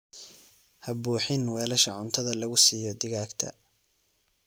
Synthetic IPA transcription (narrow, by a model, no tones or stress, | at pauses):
hɐbuːħɪnwɛːlɐʃɐʕʊnt̪ʰɐðɐlɐɣʊsiːjɔd̪ɪɣaːɡt̪ʰɐ̰